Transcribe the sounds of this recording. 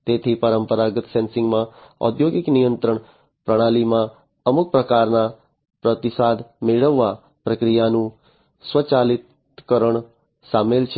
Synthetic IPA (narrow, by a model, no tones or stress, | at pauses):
t̪et̪ʰipəɾəmpəɾaɡət̪sɛnsɪ̃ŋɡmãɔ̰d̪ʱjoɡɪknijənt̪ɾəɳ | pɾəɽ̃alimã | əmuk̚pɾəkaɾna | pɾət̪ɪsad̪meɭəʋːa | pɾəkɾijanũ | sʋət͡ʃalɪt̪ | kəɾəɳ | samelt͡ʃʰ